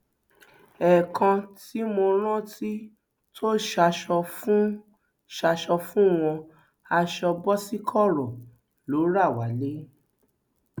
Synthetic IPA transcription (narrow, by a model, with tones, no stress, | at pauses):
ɛ˨kʰã˧ti˨˦mo˧ɾ̃ã˦ti˦ | tʰo˦ʃa˧ʃɔ˧fũ˦ | ʃa˧ʃɔ˧fũ˦w̃ɔ̃˧ | a˧ʃɔ˧bɔ˦si˦kʰɔ˦˨ɾɔ̃˨ | lo˨˦ɾa˦˨wa˨˦le˦